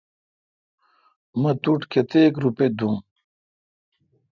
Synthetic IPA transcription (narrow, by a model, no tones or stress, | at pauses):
mɐt̪uʈkʰet̪eːkɾuped̪ʱũː